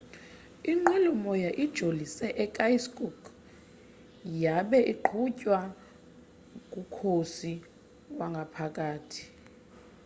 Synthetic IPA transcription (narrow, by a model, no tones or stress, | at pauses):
iŋ͡ǃɛlɔmɔjaʔid̥ʒ̥ʱolisɛʔɛkʼajskʼuk | jaɓɛʔiǃʰucʼwa | kʼukʰosi | waŋɡʱapʰakʼaːtʰi̥